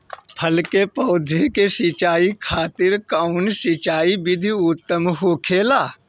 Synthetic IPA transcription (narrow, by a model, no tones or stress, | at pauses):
pʰəlkepəːd̪ʱekesit͡ʃaːikʰaːt̪ɪɾkəʊnsit͡ʃaːibɪd̪ʱiʊt̪ːəmɦoːkʰeːlaː